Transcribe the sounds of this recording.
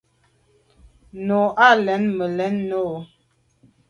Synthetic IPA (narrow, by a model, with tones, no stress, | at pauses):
no˨ʔa˦˨lɛ˨˦nmə˨lɛ˨˦nːo˦˨˦